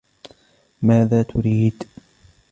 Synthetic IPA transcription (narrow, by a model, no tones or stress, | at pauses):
maːðaːt̪ʊɾiːd̪